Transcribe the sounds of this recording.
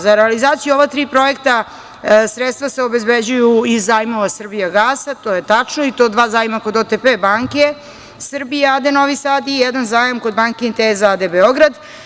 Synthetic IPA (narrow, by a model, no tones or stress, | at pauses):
zaɾealizaːt̪sijuo̞ʋat̪ɾiːpɾo̞jekt̪a | sɾet̪st̪vaseo̞bezbed͡ʑujuizːajmo̞ʋasr̩bijaɡaːsat̪o̞jet̪at͡ʂnoit̪o̞ːd̪ʋaːzajmako̞d̪ot̪epebaːŋke | sr̩bijead̪eno̞ʋisad̪ijɛd̪anzaːjamko̞d̪̚baŋkinit̪eːzaad̪ebeoɡɾad̪